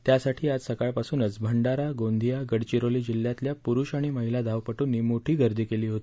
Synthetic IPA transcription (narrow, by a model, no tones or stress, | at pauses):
t̪jasaʈʰiːad͡zsəkaɭpasuːnəd͡zbʱəɳɖaɾaɡond̪ʱijaɡəɽt͡ɕiɾoliːd͡ʑilːjat̪ljapuɾuːɕaɽ̃iməɦilad̪ʱaʋpəʈuːnːiːmoʈʰiːɡʱəɾd̪ʱiːkeliːɦot̪i